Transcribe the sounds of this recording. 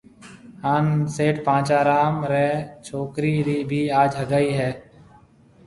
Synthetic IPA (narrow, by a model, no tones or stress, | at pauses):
haːnseːʈpãːt͡ʃaːɾaːmɾɛːt͡ʃʰoːkɾiːɾiːbʱiːaːd͡ʒɦəɡaːiːɦɛː